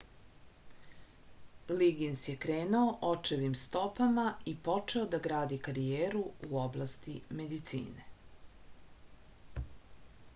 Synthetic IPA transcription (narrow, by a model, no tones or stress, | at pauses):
liɡinsjekɾeːnuoʔot͡ʂeʋimst̪o̞pamaipo̞t͡ʂe̞od̪aɡɾaːd̪ikaɾijeːɾuuo̞blast̪ime̞d̪it̪sḭːne̞